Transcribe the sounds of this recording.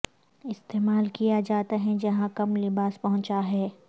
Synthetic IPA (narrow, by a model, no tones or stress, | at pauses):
ɪst̪eːmaːlkijad͡ʒaːt̪aɦɛ̃d͡ʒɐɦãkɐmlɪbaːspɐɦʊ̃t͡ʃaɦɛː